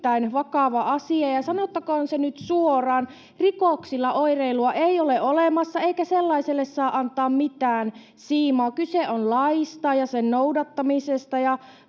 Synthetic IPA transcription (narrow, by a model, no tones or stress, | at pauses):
æinʋɑkɑʋɑʔɑsiɑjɑsɑnot̪ːɑkɑːnsenyt̪suorɑːn | rikoksilːɑʔoireiluɑʔeijoleʔʔolemɑsːɑeikæselːɑiselːessɑːʔɑnt̪ˑɑːmmit̪æːn | siːmɑːkyseonlɑist̪ɑjɑsennoudɑt̪ːɑmisest̪ɑjɑ